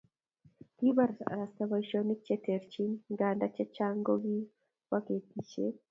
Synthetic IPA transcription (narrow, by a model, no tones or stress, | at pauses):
t̪ibɐɾsɾɐst̪ɐbɐjʃonɪt͡ʃːɛt̪eɾt͡ʃinɡaːnd̪ɐt͡ʃːɛt͡ʃːaːŋɡoɡi | wɐket̪ːiʃe